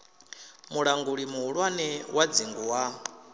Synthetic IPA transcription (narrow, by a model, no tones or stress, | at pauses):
muɺaŋɡuɺimuɦuɺwanɛwʔad͡ziŋɡuwa